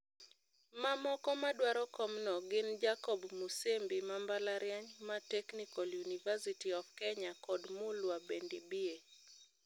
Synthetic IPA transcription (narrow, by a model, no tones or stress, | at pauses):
mamɔkɔmaɗwaɾɔkɔmnɔɡɪnd͡ʒakɔbmusembimambalaɾjaɲmatɛknikɔljunivasitiɔfkɛɲakɔdmulwabendibie